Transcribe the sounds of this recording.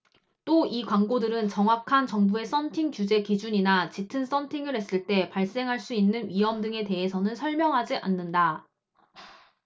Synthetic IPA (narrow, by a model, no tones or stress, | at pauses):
t͈oikwaŋɡodɯɾɯnt͡ɕʌŋwakʰant͡ɕʌŋbue̞s͈ʰʌntʰiŋkjud͡ʑe̞kid͡ʑuɲinat͡ɕitʰɯns͈ʰʌntʰiŋɯɾɦhe̞s͈ɯɭt͈e̞paɭs͈e̞ŋɦaɭs͈uinːɯnɥiɦʌmdɯŋe̞te̞ɦesʰʌnɯnsʰʌɭmjʌŋɦad͡ʑiʔa̰nːɯnda